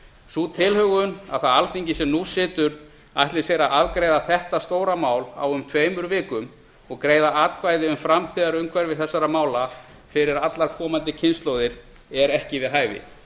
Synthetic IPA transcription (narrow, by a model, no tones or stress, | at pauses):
sut̪ʰɪlhœɣʏna̰ðθaðalθiɲcɪsɛmnusɪːt̪ʏɾ | aht̪lɪ̥sejɾaavkɾejðaθɛht̪ast̪oːwɾamaːwla̰wʏmt̪ʰveːjmʏɾvɪːkʏm | ɔɣkɾeːjðaaːt̪kʰvaːjðɪʏmfɾamt̪ʰiːðaɾʏmkʰvɛɾvɪðθɛsːaɾamaːwla | fɪɾɪɾat̪laɾkʰɔːmant̪ɪcʰɪnst̪loːwðɪɾ̥ | ɛɾɛhcɪvɪðɦaːjvɪ̰